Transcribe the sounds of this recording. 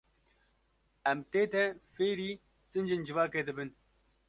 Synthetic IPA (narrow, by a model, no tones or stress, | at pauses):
ɛmt̪eːt̪ɛfeːɾiː | sɨnd͡ʒɪnd͡ʒɨvaːkeːd̪ɨbɨn